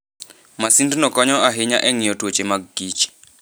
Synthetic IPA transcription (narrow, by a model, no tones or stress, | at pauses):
masindnɔkɔɲɔaɦɪɲaʔɛŋɪjɔtwot͡ʃemaɡɡit͡ʃi̥